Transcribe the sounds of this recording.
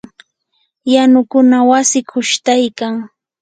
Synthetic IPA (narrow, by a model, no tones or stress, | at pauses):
janʊkʊnawasɪkʰʊʃt̪ajkaŋ